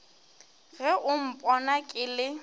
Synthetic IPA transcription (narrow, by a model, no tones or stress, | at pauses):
ɣɛʔʊm̩pʼɔnakʼɪlɪ